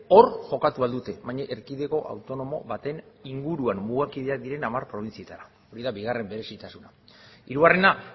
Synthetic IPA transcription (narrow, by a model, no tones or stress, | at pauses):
o̞ɾʝo̞kat̪uald̪ut̪e̞βajɲaʔeɾkið̞e̞ko̞ʔa̰wt̪o̞no̞mo̞̰βat̪e̞niŋɡuɾuamːuɣakiðe̞ad̪iɾe̞namaɾpɾo̞β̞insiet̪aɾa | o̞ɾiðabiɣare̞mbe̞ɾe̞sit̪asuna | iɾuɣare̞na